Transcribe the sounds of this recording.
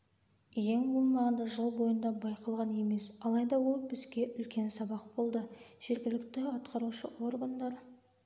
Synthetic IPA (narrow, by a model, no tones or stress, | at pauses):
jeŋbolˠmɑʁənd̪ɑʒəlˠbo̞jənd̪ɑbɑjqɑlˠʁɑne̞me̞sɑlˠɑjd̪ɑwo̞lˠbɪzɡʲe̞ʔʏlkʲe̞nsɑbɑq̚bo̞lˠd̪əʒ̥e̞ɾɡʲɪlɪkt̪ɪɑt̪qʰɑɾuʃəwo̞rɡand̪ɑɾ